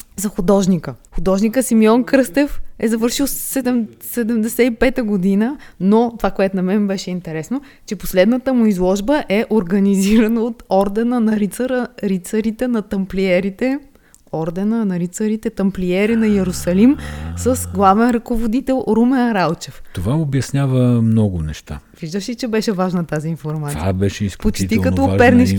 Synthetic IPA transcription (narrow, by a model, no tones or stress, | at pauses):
zɐxʊd̪ɔʒnikəxʊd̪ɔʒnikəsimiɔnkɾɤst̪ɛfɛzɐvɤɾʃilˠɛd̪ɛmsɛd̪ɛmd̪ɛsɛipɛt̪əɡod̪inənot̪ovakoɛt̪ʊnɐmɛnbɛʃɛint̪ɛɾɛsno | t͡ʃɛposlɛd̪nət̪əmʊizlˠɔʒbəʔɛʔoɾɡɐniziɾɐnəot̪ɔɾd̪ɛnənɐɾit̪səɾəɾit̪səɾit̪ɛnɐt̪ɐmpliɛɾit̪ɛ | ɔɾd̪ɛnənɐɾit̪səɾit̪ɛt̪ɐmpliɛɾinɐjɛɾʊsɐlimsəsɡlˠavɛnɾɐkovod̪it̪ɛlˠɾumɛnɾalˠt͡ʃɛft̪ovaobjɐsnʲavəmnɔɡʊnɛʃt̪a̰viʒd̪əʃit͡ʃɛbɛʃɛvaʒnət̪aziːnfoɾmat̪bɛʃɛisklpot͡ʃt̪ikɐt̪ɔpɛɾniʃ